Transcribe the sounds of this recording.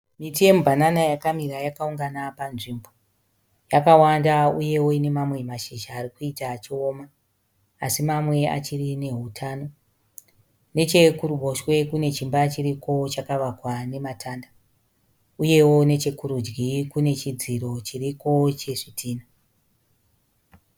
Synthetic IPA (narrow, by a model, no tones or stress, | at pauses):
mitije̞mubʱananajakamirajakauŋɡanapanʐimbo̞ | jakawandauje̞wo̞ine̞mamwe̞maʃeʒaːrikuitat͡ʃiomaː | simamwe̞a̰t͡ʃirine̞ɦutʰaːno̞ | ne̞t͡ʃe̞kuɾuɓʱo̞ʃwe̞kune̞t͡ʃimbat͡ʃiɾiko̞t͡ʃakaʋakwane̞matʰaːnda | uje̞wo̞ne̞t͡ʃe̞kuɾud͡ʒɡikune̞t͡ʃid͡ziɾo̞t͡ʃiriko̞t͡ʃe̞ʂitʰiːna